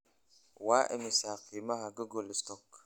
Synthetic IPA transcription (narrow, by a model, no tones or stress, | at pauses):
waʔḛmisaqimahaɡəɡolist̪ɔk